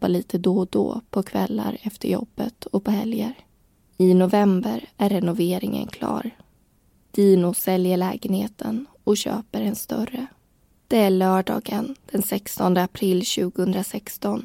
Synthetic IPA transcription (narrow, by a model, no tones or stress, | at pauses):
aliːt̪ʰəd̪od̪ɔ̰ːpʰɔkʰvɛlːa̰ɾɛft̪əɾjɔ̰b̥ːət̪ɔpʰɔɦɛljəɾ | ɪnʊvɛmbəɾæɾːɛnʊveːɾɪŋə̰nkʰlɑ̰ːɾ | d̪̥iːnʊsɛljəɭɛːɡənheːt̪ʰən | ɔɕø̰ːpəɾɛnst̪œrə | d̪̥ɛæɭœːɖɑ̰ːɡənd̪̥ɛnsɛkst̪ɔnd̪əapʰɾɪlːɕʉ̟ːɡʊhɵnd̪ɾasɛkst̪ɔn